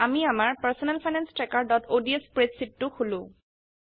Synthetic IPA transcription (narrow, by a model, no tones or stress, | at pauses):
amiamaɹpaɹsɔnɛlpʰajnanstɹɛkaɹdɔtʰodiespɹesitːʊxulʊ̃